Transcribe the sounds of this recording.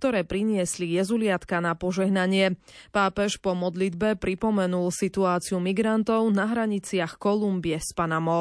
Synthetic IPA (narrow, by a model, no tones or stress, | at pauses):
k̚t̪ɔɾɛːpɾiɲɪɛslijɛzulɪat̪kanapɔʒɛɦnaɲɪɛpaːpɛʃpɔmɔd̪lid̪bɛpɾipɔmɛnulsit̪uaːt͡siumiɡɾant̪ɔʊnaɦɾaɲit͡sɪaxkɔlumbiɛspanamɔ